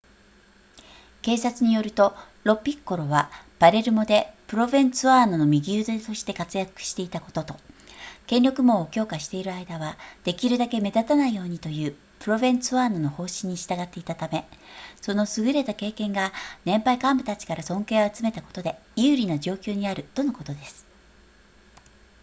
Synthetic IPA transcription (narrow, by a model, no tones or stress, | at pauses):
ke̞ːsat͡sɨɲ̟ijo̞ɾɯ̟t̪o̞ | ɾo̞pʲːikkːo̞ɾo̞βab̥aɾe̞ɾɯ̟mo̞d̪e̞pɯ̟ɾo̞bẽ̞nt͡sɨβaːno̞no̞mʲiɡʲiɯːd̪et̪o̞ɕi̥t̪e̞kat͡sɨjakɯ̟̥ɕi̥t̪e̞it̪ako̞̥t̪o̞t̪o̞kẽ̞nʲjo̞kɯ̟mo̞ːokʲo̞ːkaɕi̥t̪e̞iɾɯ̟aid̪aβad̪̥e̞kʲiɾɯ̟d̪ake̞me̞d̪at̪anaijo̞ːɲ̟it̪o̞jɯ̟ː | pɯ̟ɾo̞bẽ̞nsɨβaːno̞no̞ho̞ːɕĩɲ̟ːiɕi̥t̪aɡat̪ːe̞it̪at̪ame̞so̞no̞sɨɡɯ̟ɾe̞t̪ake̞ːkẽ̞ŋɡanẽ̞mpaikãmbɯ̟t̪at͡ɕi̥kaɾasõ̞ŋke̞ːoat͡sɨme̞t̪ako̞̥t̪o̞d̪e̞jɯ̟ːɾʲinoʑo̞ːkʲo̞ːɲ̟iaɾɯ̟t̪o̞no̞ko̞t̪o̞d̪e̞sɨ̥